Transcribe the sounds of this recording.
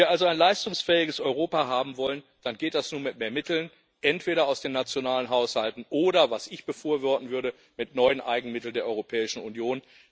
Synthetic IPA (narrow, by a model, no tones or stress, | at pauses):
viːɐʔalzoaɪnlaɪstʊŋsfɛːɪɡəsʔɔʏʁ̞oːpaɦaːbm̩vɔlən | d̥anɡeːt̚d̥asnuːnmɪt̚meːɐmɪtl̩n | ʔɛntv̥eːɾɐaʊsd̥eːnːat͡sjonaːlənɦaʊshaltn̩ʔoːɾɐvasɪçb̥əfoːɐvɔɐtn̩vʏɐdə | mɪtnɔʏənʔaɪɡŋ̩mɪtl̩ndeːɐʔɔʏʁopʰɛːɪʃn̩unjoːn